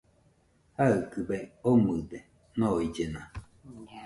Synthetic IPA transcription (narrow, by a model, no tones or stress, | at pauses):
haɨkɨbeomɨd̪e | noid͡ʒena